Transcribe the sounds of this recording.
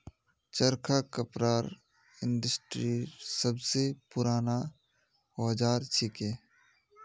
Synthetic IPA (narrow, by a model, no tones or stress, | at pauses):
t͡ʃəɾkʰakɐpɾaːɾ | ɪ̃nɖəsʈɾisɐbsepʊɾaːna | hɔːd͡ʒaːɾt͡ʃʰɪkeː